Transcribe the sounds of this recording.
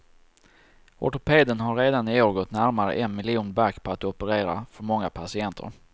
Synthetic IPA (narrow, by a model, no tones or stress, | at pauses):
ɔ̰ʈʊpʰeːd̪ənɦaɾːeːd̪anɪoːɾɡɔt̪næɾmaɾə̰ʔɛnmɪlɪuːnbakːpʰɔat̪ɔpəɾeːɾa̰fœɾmɔŋːapʰasɪɛnt̪ʰə̰ɾ